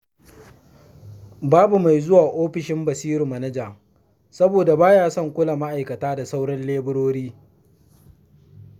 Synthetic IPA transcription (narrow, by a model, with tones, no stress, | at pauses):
baː˦bu˨ma˨jzʊ˦waː˨ʔoː˦ɸɪ˨ʃɪ˦mbɐ˨siː˦ɾɪ˨mɐ˨nɐ˦d͡ʒa˨ | sɐ˦boː˨da˨baː˦jaː˦sɐ˦˨ŋkʷʊ˦la˨ma˦ʔa˨jkɐ˨taː˦da˨sa˦wɽɐ˦nleː˦bʊ˦ɽoː˦ɽiː˦